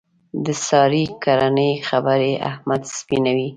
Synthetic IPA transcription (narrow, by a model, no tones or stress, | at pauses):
d̪əsɑɾikaɾanəjxabaɾeʔa̰hmad̪spinawi